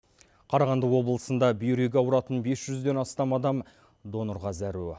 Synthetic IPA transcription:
qʰɑɾɑʁɑnd̪əwo̞bəlˠəsənd̪ɑbijɾeɡʲeɑwɾɑt̪ənbe̞sʒ̥ʏzd̪e̞nɑst̪ɑmɑd̪ɑm | d̪o̞noɾʁɑzæɾu

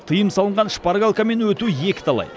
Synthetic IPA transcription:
t̪ʰəjəmsɑlˠəɴʁɑnʃpaɾɡalˠkame̞nwɵt̪uje̞kʲɪ̥t̪ʰɑlˠɑ̰j

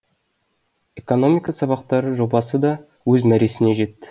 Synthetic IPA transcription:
e̞ko̞no̞mʲijkɑsɑβɑqt̪ɑɾəʒo̞bɑsəd̪ɑ | wɵzmæɾe̞sɪne̞ʒe̞t̪ːɪ̥

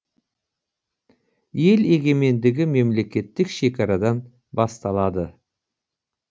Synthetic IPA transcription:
je̞le̞ɡʲe̞me̞nd̪ɪɡʲɪme̞mle̞kʲe̞t̪ːɪkʃe̞kʲɑɾɑd̪ɑn | bɑst̪ɑlˠɑd̪ə

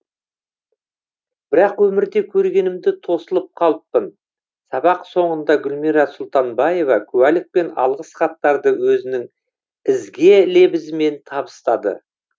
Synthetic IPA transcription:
b̥ɪɾɑqwɵmɪɾd̪e̞kʲʰɵɾɡʲe̞nɪmd̪ɪt̪ʰo̞səlˠəp̚qʰɑlˠəpːən | sɑbɑqso̞ɴənd̪ɑɡʲʏlmiɾɑsʊlˠt̪ɑnbɑje̞vɑkʲʰʉwælɪk̚pe̞nɑ̰lˠʁəsχɑt̪ːɑɾd̪əwɵzɪnɪŋ | ɪzɡʲe̞le̞bɪzɪme̞nt̪ʰɑbə̥st̪ɑd̪ə̰

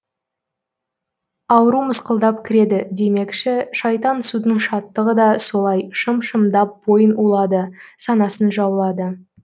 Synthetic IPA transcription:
ɑwəɾuməsqəlˠd̪ɑpkʲʰɪɾe̞d̪ɪd̪e̞me̞kʃɪʃɑjt̪ɑnsud̪əɴʃɑt̪ːəʁəd̪ɑso̞lˠɑjʃəmʃəmd̪ɑp̚bo̞jənulˠɑd̪əsɑnɑsənʒɑwəlˠɑd̪ə

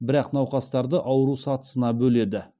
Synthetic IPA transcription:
bɪɾɑqnɑwqɑst̪ɑɾd̪əʔɑwəɾusɑt̪ə̥sənɑbɵle̞d̪ɪ

